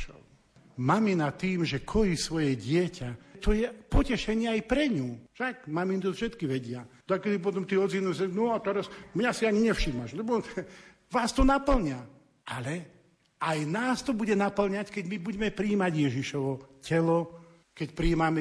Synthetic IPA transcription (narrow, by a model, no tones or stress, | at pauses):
ʃɔ̰ | maminat̪iːmʒɛkʰɔjisʋɔjɛɟɪɛcʰat̪ɔjɛpɔcɛʃɛɲɪɛajpɾɛɲuːʃaɡmamint̪ɔfʃɛt̪kiʋɛɟɪad̪̥akɛd̪ipɔt̪ɔmt̪iːɔzinusɛɡnɔat̪ɛɾasmɲasiaɲiɲɛfʃiːmaʒlɛbɔ | ʋaːst̪ɔnapl̩ɲa | ʔalɛ | ajnaːst̪ɔbuɟɛnapl̩ɲackɛɟmibuɟɛmɛpɾiːmaɟjɛʒiʃɔʋɔcɛlɔ | kɛcpɾiːmamɛ